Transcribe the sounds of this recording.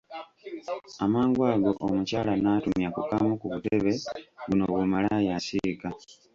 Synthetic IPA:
amaːŋɡwaːɡo̞ʔomucaːlanaːtumjakukamukuβute̞βe̞βunoβumalajasika

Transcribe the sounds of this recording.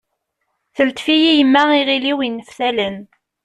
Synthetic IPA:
θəlt̪fijijəmːæiʁiliwinːəfθælən

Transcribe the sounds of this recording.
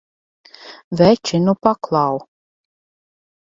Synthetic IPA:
vɛt͡ʃinupaklˠaw

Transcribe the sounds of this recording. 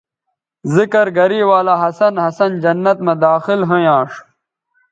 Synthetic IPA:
zikɐɾɡɐɾiːwaːlaːɦɐsɐnhɐsɐnd͡ʑɐnːɐt̪mɐd̪aːxɪlɦɐ̃jãːʂ

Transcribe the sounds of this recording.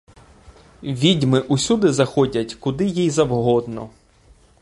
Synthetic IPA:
ʋʲidʲmɪʔusʲud̪ɪzɐxɔdʲɐtʲkʊd̪ɪjijzɐwɦɔd̪nɔ̰

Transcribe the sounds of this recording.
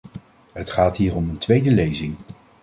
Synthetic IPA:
ɦətχaːtɦiːrɔməntʋejdəlejzɪŋ

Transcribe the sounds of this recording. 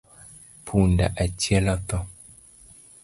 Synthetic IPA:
pʰunda̰ʔat͡ʃjɛlɔt̪ɔ

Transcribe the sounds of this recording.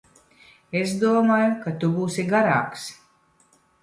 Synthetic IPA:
ezd̪uɔmaːjukat̪ubuːsiɡaɾaːks

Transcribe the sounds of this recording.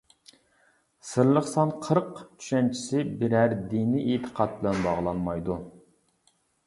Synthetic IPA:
sɨɾlˠəχsɑnqʰəɾqt͡ʃʰy̥ʃɛnt͡ʃʰi̥sɪbɪɾæɾd̪iniʔet̪ʰə̥qʰɑt̪̚bɪlɛnbɑʁlˠɑnmɑjd̪u

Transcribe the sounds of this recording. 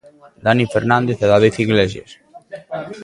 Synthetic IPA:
d̪anifeɾnand̪eθaðaðeθiɣleʒjḛs

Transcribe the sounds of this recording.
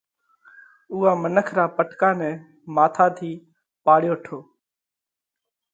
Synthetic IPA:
ʊːɦaːmənəkʰɾaːpəʈʰkaːnɛ̃ː | maːt̪ʰaːt̪ʰiː | paːɽɪjoːʈʰoː

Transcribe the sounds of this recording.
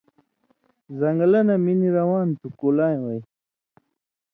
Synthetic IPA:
zaŋɡlanaminiɾawɑːnt̪ukolajwaj

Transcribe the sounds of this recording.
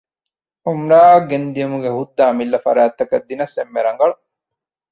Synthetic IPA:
umɾaːɐɡend̪ijɐmuɡehud̪ːaːmilːɐfɐ̰ɾaːt̪ːɐkɐd̪ːinɐsemːeɾɐŋɡɐɭu

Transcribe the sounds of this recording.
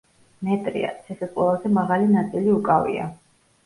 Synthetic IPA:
mɛt̪ʼɾḭa̰t̪sʰɛsɛqʼwɛlˠazɛmaʁalinat̪sʼiliukʼavḭa̰

